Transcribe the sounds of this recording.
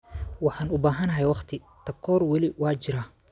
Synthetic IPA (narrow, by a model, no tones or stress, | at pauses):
wɑħɑːnʊbaːɦɐnɐɦɛjwɑχt̪ʰɪ | t̪ʰɐkʰɔːrwɑlɪwɑːt͡ʃɪɾaːh